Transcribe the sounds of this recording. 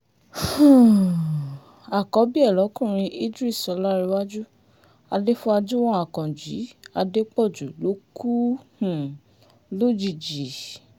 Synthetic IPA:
hũ˨ | a˨kɔ˨˦bi˦ɛ˦˨lɔ˨˦kũ˦˨ɾ̃ĩ˧ʔi˦d͡ʒu˦i˦˨sɔ˨˧˦la˦ɾi˧wa˦d͡ʒu˦ | a˧de˦fũ˦a˧d͡ʒu˦w̃ɔ̃˦a˨kɔ̃˨d͡ʒi˨˦a˧de˦k͡pɔ˦˨d͡ʒu˨lo˨˦ku˦hũ˨ | lo˦d͡ʒi˧˨d͡ʒi˨˦

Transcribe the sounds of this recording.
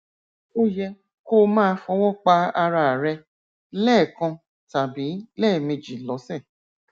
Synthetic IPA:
o˦jɛ˧ | ko˦mãː˦˧fɔ˧˦wɔ˦˨k͡pa˧a˧ɾa˧˨ɾɛ˧ | lɛː˦˨kã˧ | ta˨bi˨˦lɛː˦˨me˧d͡ʒi˨lɔ˨˦sɛ̃˦˨

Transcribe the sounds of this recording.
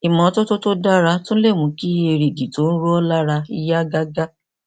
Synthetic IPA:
i˨mɔ̃˨˦to˦to˦to˦da˦ɾa˧tõ˦ñ̩˦le˦˨mũ˨˦ki˦e˧ɾe˨ɡi˨to˨˦n̩˦ɾo˦ɔ˦la˦ɾa˧i˧ja˦ɡa˦ɡa˦

